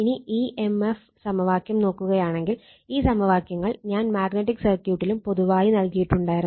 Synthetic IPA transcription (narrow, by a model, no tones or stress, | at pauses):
iniiːʔemef | sɐmɐʋaːkjɐmno̞ːkːuɣɐjaːɳe̞ŋɡil | iːsɐmɐʋaːkjɐŋːɐɭɲaːnmaːɡneʈ̬ːikːsɐrkjuːʈːilumpo̞ðuʋaːjinɐlkijiʈːuɳɖaːjiɾɐ